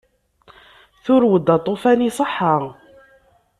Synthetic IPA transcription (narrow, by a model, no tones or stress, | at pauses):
θʊɾwəd̪ːɑt̪ˤːofænisˤəħːa